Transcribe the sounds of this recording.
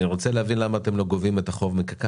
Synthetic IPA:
iʁo̞t͡seleavinlamaːte̞mlo̞ɡo̞vime̞t̪aχo̞vmikaka

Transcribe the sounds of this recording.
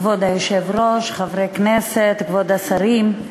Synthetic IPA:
vod̪ajeʃevɾoʃχavɾeknɛset̪kvod̪asaɾim

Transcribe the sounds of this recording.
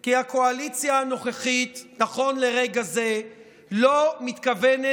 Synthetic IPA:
kiako̞alit͡sjaano̞χeχitnaχo̞nle̞ʁeɡaze̞ | lo̞mit̪kavene

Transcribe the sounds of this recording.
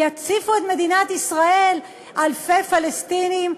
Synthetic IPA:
jat͡sifuet̪me̞d̪inat̪isʁael | alfefalest̪inim

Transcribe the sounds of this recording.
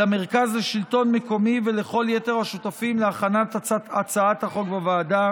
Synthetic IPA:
ame̞ʁkazleʃilto̞nmeko̞miveleχo̞ljeteʁhaʃut̪afimleaχanatat͡saat̪haχo̞kbavaːda

